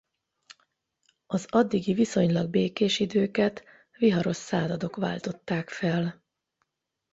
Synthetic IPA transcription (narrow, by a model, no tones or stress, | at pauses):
ɒzɒd̪ːiɡiviso̞ɲlɒɡ̚beːkeːʃid̪øːkɛt̪ | ʋiɦɒɾo̞ʃːaːzɒd̪o̞kʋa̰ːlt̪o̞t̪ːaːkfɛl